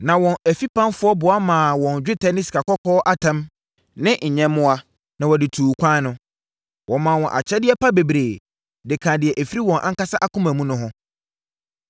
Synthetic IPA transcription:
nã˨wɔ̃˨næ˨fi˦pʰã˦nfʊ˦ɔ˦bʊ˨a˦mãː˨wɔ̃˨n˨d͡ʑᶣɪ˦tʰɛ˦nɪ̃˦ska˨kɔ˦kʰɔː˦ʔa˦tʰã˦m | nɪ̃˦ɲ̩˨ɲɛ̃˦mʊ̃˦a˦ | nã˨wɔ˨dɪ˨tʰuː˨kʷʰã˦nʊ̃˦ | wʔɔ̃˨mãː˨wɔ̃˨ʔa̰˨t͡ɕʰɛ˦dɪ˦ɛ˦pʰa˦be˨bɾeː˨ | dɪ˨kʰã˨dɪ˨ɛ˨ʔæ˨fi˦ɾi˦wɔ̃˨nʔã̰˦ŋ̩˦ka˦sa˦ʔa˦kʊ̃˦mæ̃˨mũ˦nʊ̃˦ɦʊ̃˦

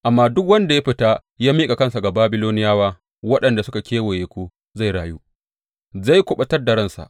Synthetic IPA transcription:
ʔa˨mːaː˦dʊ˦k̬wɐ˦nda˨ja˦ɸɪ˦taː˦ | jaː˦miː˦kʼa˨kɐ˦nsa˨ɡa˨baː˦bɪ˦loː˦nɪ˦jaː˦waː˦ | wɐ˦ɗɐ˨nda˨sʊ˦ka˨kʲeː˦woː˨jeː˨kʷoː˦ | za˦˨jɽaː˨ju˦ | za˦˨jkʷʊ˨ɓɐ˦tɐ˦rda˨ɽɐ˦˨nsa̰˨ʔ

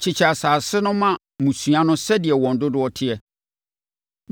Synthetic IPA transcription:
t͡ɕʰɪ˨t͡ɕʰa˨saː˨sɪ˦nʊ̃˦mã˦ | mũ˨sũ˨ã˦nʊ̃˦sɛ˦dɪ˨ɛ˨wɔ̃˨n̩˨dʊ˦dʊ˦ɔ˦tʰɪ˦ɛ˨

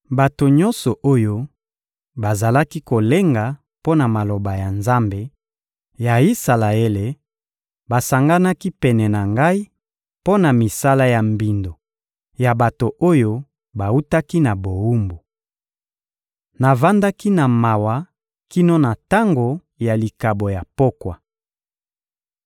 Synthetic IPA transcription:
ba˨to˨ɲɔ̃˦nsɔ˨ʔo˦jo˦ | ba˨za˨la˦ki˦ko˨le˦ŋɡa˨ | po˦na˨ma˨lo˨ba˨ja˨nza˦mbe˨ | ja˨i˦sa˨la˨e˦le˨ | ba˨sa˨ŋɡa˦na˦ki˦pɛ˨nɛ˨na˨ŋɡa˦i˦ | po˦na˨mi˨sa˦la˦ja˨mbi˨ndo˨ | ja˨ba˨to˨ʔo˦jo˦ | ba˨u˦ta˦ki˦na˨bo˨u˦mbo˨ | na˨va˦nda˦ki˦na˨ma˨wa˨ | ki˦no˦na˨ta˦ŋɡo˨ | ja˨li˨ka˨bo˨ja˨po˦kwa˨

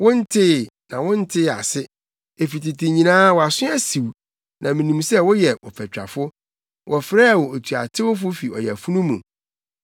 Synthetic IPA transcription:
wʊ̃˦n̩˦tʰɪ˦˨nã˨wʊ̃˦n̩˦tʰɪ˦a̰˨sɪ˦ | e˨fi˨tɪ˨tʰɪ˨ɲĩ˨nãː˦wɔ˨a˨sʊ̃˦æ˦si˨w | nʔã˨mĩ˨nũ˨msɛ˦wʊ˦jɛ˨wɔ̰˨pʰɛ˨t͡ɕᶣa̰˨fʊ˦ | wʔɔ˨fɾɛː˦˨wɔ˨o˨tʰu˨a̰˨tʰɪ˦wʊ˦fʊ˦fi˨ɔ˨jɛ˨æ˨fu˦nũ˦mṵ̃˨

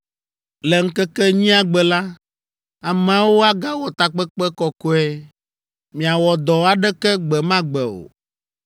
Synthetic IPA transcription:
lɛ˨ŋ̩˦kɛ˦kɛ˦ɲĩ˦a˦ɡ͡bɛ˨la˦ | a˨m˦ã˨˦wo˦a˦ɡa˦wɔ˨t̪a˨k͡pɛ˦k͡pɛ˦kɔ˨ko˦ɛ˦ | mĩ˨a˨wɔ˨d̪ɔ˨a˨ɖɛ˦kɛ˦ɡ͡bɛ˨mã˦ɡ͡bɛ˨o̰˨

